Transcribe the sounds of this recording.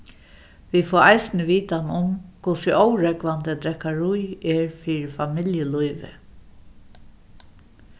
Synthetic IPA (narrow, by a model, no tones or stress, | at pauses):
ʋifɔːajsnɪʋiːt̪anʊmkʰʊsɪʔɔwɾɛkʋand̪əd̪ɾɛkːaɹujɛɹfiːɹɪfamɪljəlujʋɪ̰